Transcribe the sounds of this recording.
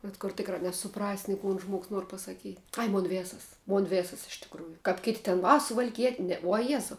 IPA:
bʲɛt kʊr ˈtʲɪkrɑː nʲɛsʊˈprɑːsʲɪ nʲɪ ˈkʊn ˈʒmuɔks ˈnuɔr pɐsɐˈkʲiːtʲ ˈɐɪ ˈmoːn ˈʋʲeːsɐs ˈmoːn ˈʋʲeːsɐs ɪʃ tʲɪkˈruːjʊ kɐp ˈkʲeːˌtʲeː tʲɛn ˈʋɐ sʊʋɐlʲˈkʲiɛtʲ ˈnʲɛ uɔ ˈjæːzɐʊ

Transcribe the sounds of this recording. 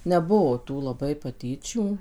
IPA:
nʲɛˈbuɔ ˈtuː lˠɐˈbɐɪ pɐˈtʲiːt͡ʃʲuː

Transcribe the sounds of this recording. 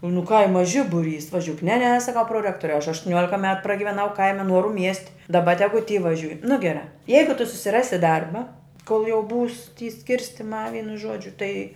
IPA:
nʊ ˈkɐɪmɐ ˈʒʲɪbʊˌrʲiːs ʋɐˈʒʲuːk nʲɛ nʲɛ sɐˈkɐʊ proːˈrʲæːktoːrʲɛʊ ɐʃ ɐʃtʊˈnʲuɔlʲɪkɐ mʲɛt prɐɡʲɪʋʲɛˈnɐʊ ˈkɐɪmʲɛ ˈnuɔrʊ mʲiɛsʲtʲ dɐˈbɐ ˈtʲæːɡʊ tʲiː ʋɐˈʒʲuːj nʊ ɡʲɛˈrɑː ˈjɛɪɡʊ tʊ sʊsʲɪˈrɑːsʲɪ ˈdɐrbɐ koːlˠ jɛʊ buːs tʲiː ˈsʲkʲɪrʲsʲtʲɪmɑː ˈʋʲiːnʊ ˈʒuɔd͡ʒʲʊ tɐɪ

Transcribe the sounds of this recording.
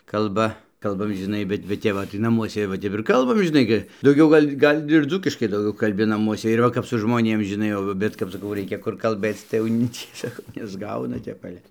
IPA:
kɐlˠˈbɐ ˈkɐlˠbɐm ʒʲɪˈnɐɪ ˈbʲɛt bʲɛt ˈtʲɛp ʋɐ tɐɪ nɐˈmuɔsʲɛ ʋɐ ˈtʲɛp ɪr kɐlˠˈbɐm ʒʲɪˈnɐɪ ɡʲɪ dɐʊˈɡʲɛʊ ˈɡɐlʲ ˈɡɐlʲ ɪr ˈd͡zuːkʲɪʃkɐɪ dɐʊˈɡʲɛʊ kɐlʲˈbʲɪ nɐˈmuɔsʲɛ ɪr ˈʋɐ kɐp sʊ ʒmoːˈnʲeːm ʒʲɪˈnɐɪ jɛʊ ʋɐ ˈbʲɛt kɐp sɐˈkɐʊ ˈrʲɛɪkʲɛ kʊr kɐlˠˈbɘt͡s tɐɪ jɛʊ ˈnʲɪ ˈt͡sʲiɛ sɐˈkɐʊ nʲɛzˈɡɐʊnɐ ˈtʲɛp ˈɑːlʲɛ

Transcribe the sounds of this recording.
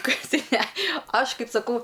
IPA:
ˈkɐɪp ˈtɐɪ nʲɛ ˈɐʃ ˈkɐɪp sɐˈkɐʊ

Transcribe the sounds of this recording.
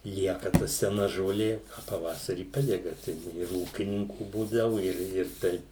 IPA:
ˈlʲiɛkɐ tɐ sʲɛˈnɐ ʒoːˈlʲeː oː pɐˈʋɑːsɐrʲiː ˈpɑːdʲɛɡɐ ˈtɐɪ ɪr ɪr ˈuːkʲɪnʲɪŋkuː ˈbuːdɐʋʊ ɪr ɪr ˈtɐɪp

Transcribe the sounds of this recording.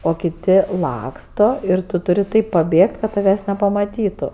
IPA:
oː kʲɪˈtʲɪ ˈlˠɑːkstoː ɪr ˈtʊ tʊˈrʲɪ ˈtɐɪp pɐˈbʲeːkt kɐt tɐˈʋʲæːs nʲɛpɐmɐˈtʲiːtʊ

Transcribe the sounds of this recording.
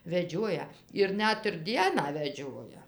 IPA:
ʋʲɛˈd͡ʒʲuɔjɛ ɪr ˈnʲɛt ɪr ˈdʲiɛnɑː ʋʲɛˈd͡ʒʲoːjɛ

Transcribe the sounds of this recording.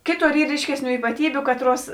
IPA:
ˈkʲeːˌtoːr ˈiːr ˈrʲiːʃʲkʲɛsʲˌnʲuː iːpɐˈtʲiːbʲʊ ˈkɑːtˌruɔs

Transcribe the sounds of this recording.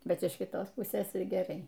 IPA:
ˈbʲɛt ɪʃ kʲɪˈtoːs ˈpʊsʲeːs ɪr ɡʲɛˈrɐɪ

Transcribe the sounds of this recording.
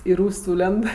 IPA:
ɪ ˈruːsʲ ˈsuːlʲɛnt

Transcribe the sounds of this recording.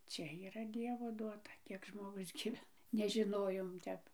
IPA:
ˈt͡ʃʲɛ iːˈrɐ ˈdʲiɛʋoː ˈduɔtɐ ˈkʲiɛk ʒmoːˈɡʊs ɡʲiːˈʋʲæːnɐ nʲɛʒʲɪˈnoːjoːm ˈtʲɛp

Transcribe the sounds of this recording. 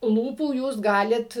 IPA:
ˈlˠuːpuː ˈjuːs ˈɡɑːlʲɪt

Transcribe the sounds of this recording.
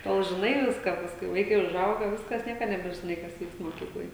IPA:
ˈtoːlˠ ʒʲɪˈnɐɪ ˈʋʲɪskɑː ˈpɑːskʊɪ ˈʋɐɪkɐɪ ʊʒˈɐʊɡɐ ˈʋʲɪskɐs ˈnʲiɛkɐ nʲɛbʲɛʒʲɪˈnɐɪ kɐs ˈʋʲiːkst moːˈkʲiːklˠoːj

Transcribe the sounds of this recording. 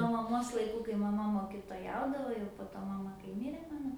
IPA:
nuɔ mɐˈmoːs lˠɐɪˈkuː kɐɪ mɐˈmɐ moːkʲɪtoːˈjɛʊdɐʋoː jɛʊ poː ˈtoː mɐˈmɐ kɐɪ ˈmʲɪrʲeː ˈmɑːnoː

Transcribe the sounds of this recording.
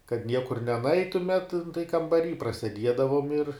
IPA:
kɐt ˈnʲiɛkʊr nʲɛˈnɐɪtʊmʲɛt nʊ tɐɪ kɐmbɐˈrʲiː prɐsʲɛˈdʲiɛdɐʋoːm ɪr

